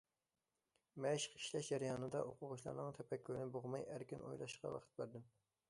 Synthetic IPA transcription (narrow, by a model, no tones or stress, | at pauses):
mɛʃqʰi̥ʃlɛʃd͡ʒɛɾjɑːnɨd̪ɑ̰ʔoqʰʊʁʊʃlˠɑ̰ɾnɨŋt̪ʰɛpʰɛkʰʲːøɾnɪboʁmɑjæɾkʲinʔo̰jlˠɑ̰ʃqɑ̰wɑ̰qʰə̥t̪̚bæɾd̪ɪm